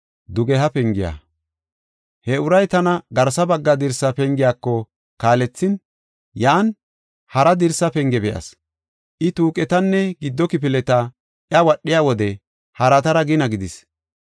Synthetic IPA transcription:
d̪ʊɡɛɦɐpɛŋɡɪja̰ː | hɛʊɾɐjt̪ɐnɐɡɐɾsɐbɐɡːɐd̪ɪɾsɐpɛŋɡɪjaːkːɔ | kaːlɛt͡sːɪn | jaːn | hɐɾɐd̪ɪɾsːɐpɛŋɡɛbɛʔɐ̰s | ʔɪt̪uːkʼɛt̪ɐnːɛɡɪd̪ːɔkɪp̬ɪlɛt̪ɐ | ʔjɐwɐɗːɪjaːwɔd̪ɛ | hɐɾɐt̪ɐɾɐɡɪnɐɡɪd̪ɪs

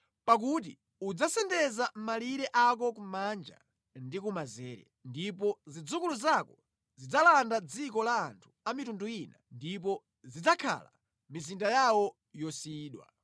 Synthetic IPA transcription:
pak̬ut̬i | ud͡zasɛndɛzam̩maliɾɛʔak̬ɔk̬umand͡ʒa̰ | ndikumazɛːɾɛ̰ndipɔzid͡zukuluzakɔ | zid͡zalandad͡zikɔlaːntʰu̥amitunduinandip̬ɔ | zid͡zakʰa̰la̰ | mizindajawɔ | jɔsiːɗwa̰

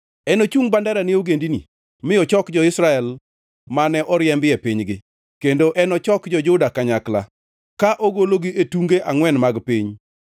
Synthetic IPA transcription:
ɛnot͡ʃuŋbandaɾanɪoɡendinḭ | mɪɔt͡ʃɔkd͡ʒɔɪsɾaɛl | manɛʔɔɾɪɛmbɪɛpiɲɡɪ | kendoʔɛnɔt͡ʃɔkd͡ʒɔd͡ʒʊdakaɲakla̰ | kaʔoɡoloɡiʔetuŋɡeʔaŋwɛnmaɡpiɲ

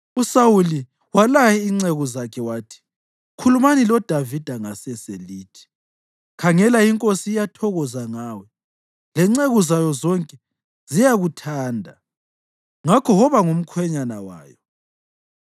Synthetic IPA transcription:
usawuli | walajɛiŋ͡ǀeɣɔzakʰɛwaːtʰi̥ | kʰulumanilɔd̥ʱavid̥ʱaŋasɛseliːtʰi̥ | kʰaŋɛlaiŋkʼosiːjatʰɔɣɔzaŋaːwɛ | lɛŋ͡ǀeɣɔzajɔzɔŋkʼɛ | z̥ijaɣutʰaːndʱa | ŋakʰɔhɔβaŋum̩kʰwɛɲanawa̰ːjɔ

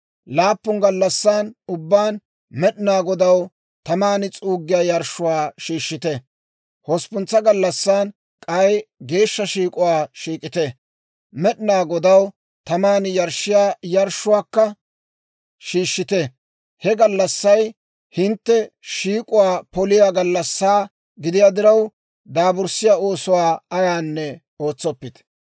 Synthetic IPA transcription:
laːpːʊŋɡɐlːɐsːaːnʊbːaːn | mɛɗɪnaːɡɔd̪ɐw | t̪ɐmaːnɪt͡sʼuːɡːɪjaːjɐɾʃːʊwaːʃiːʃːɪt̪ɛ | hɔspʊnt͡sːɐɡɐlːɐsːaːn | kʼɐjɡe̞ːʃːɐʃiːkʼʊwaːʃiːkʼɪt̪ɛ | mɛɗɪnaːɡɔd̪ɐw | t̪ɐmaːnjɐɾʃːɪjaːjɐɾʃʊwaːkːɐ | ʃiːʃːɪt̪ɛ | hɛɡɐlːɐsːɐj | hɪnt̪ːɛʃiːkʼʊwaːpɔlɪjaːɡɐlːɐsːaː | ɡɪd̪ɪjaːd̪ɪɾɐw | d̪aːbʊɾsɪjaːo̞ːsʊwaːɐjaːnːɛ | o̞ːt͡sːɔpːɪt̪

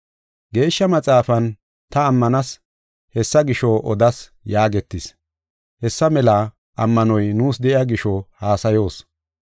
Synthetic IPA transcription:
ɡe̞ːʃːɐmɐt͡sʼaːfɐn | t̪ɐːmːɐnɐs | hɛsːɐɡɪʃɔʔɔd̪ɐs | jaːɡɛt̪ːɪs | hɛsːɐmɛlɐ | ʔɐmːɐnɔjnuːsd̪ɛʔɪjaɡɪʃɔhaːsɐjo̞ːs

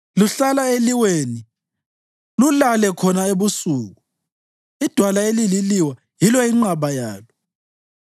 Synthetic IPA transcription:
luɬalaeliweːni | lulalɛkʰɔnaeβusuːɣu | id̥ʱwalaelililiwa | jilɔiŋ͡ǀaβajaːlɔ

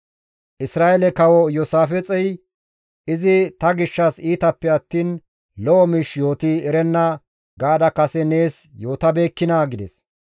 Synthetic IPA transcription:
ʔɪsɾaːʔɛlɛkɐwɔjɔsaːfɛt͡sʼɛj | ʔɪzɪt̪ɐɡɪʃːɐsiːt̪ɐpːɛɐt̪ːiːn | lɔʔɔmiʃjo̞ːt̪iɛɾɛnːɐ | ɡaːd̪ɐkɐsɛne̞ːsjo̞ːt̪ɐbe̞ːkːɪnaːɡɪd̪ɛs

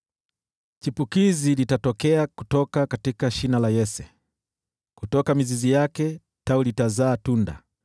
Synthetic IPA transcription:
t͡ʃipukizilitatɔkɛaku̥tɔkakatikaʃinalajɛsɛ | kutɔkamizizijakɛ | taulitazaːtunda̰

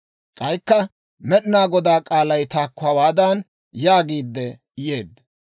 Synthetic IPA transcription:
kʼɐjkːɐ | mɛɗɪnaːɡɔd̪aːkʼaːlɐjt̪aːkːʊawaːd̪aːn | jaːɡiːd̪ːɛ | jeːd̪ː

